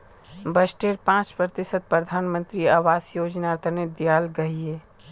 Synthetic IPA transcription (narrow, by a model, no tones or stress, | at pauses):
bɐsʈeːɾpãːt͡ʃpɾət̪ɪsət̪̚pɾəd̪ʱaːnmə̃nt̪ɾiaːʋaːsjoːd͡ʒnaːɾt̪ʰəned̪ijaːlɡɐɦieː